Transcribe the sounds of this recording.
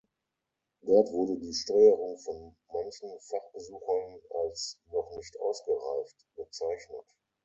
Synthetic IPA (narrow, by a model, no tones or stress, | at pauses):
d̥ɔɐtv̥ʊɐdədiːʃtɔʏəʁʊŋfɔn | mançn̩faχb̥əzuːxɐnalsnɔχnɪçtʔa̰ʊsɡ̥əʁaɪçtb̥ət͡saɪçnət